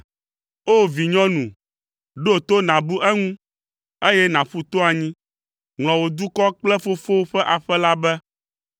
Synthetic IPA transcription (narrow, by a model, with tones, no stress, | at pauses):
o˦vi˨ɲɔ̃˦nũ˨ | ɖo˦o˨t̪o˦nã˨bu˦ʔɛ˦ŋũ˦ | e˦jɛ˦nã˨ɸu˦t̪o˦a˨ɲĩ˦ | ŋl̃ɔ̃˨wo˨d̪u˦kɔ˦k͡plɛ˦fo˦fo˦wɸɛ˦ʔa˨ɸɛ˦la˦bɛ˦